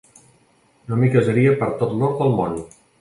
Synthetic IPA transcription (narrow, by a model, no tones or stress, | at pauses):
nomikəzəɾiəpəɾt̪ot̪lɔɾt̪̚d̪əlˠmon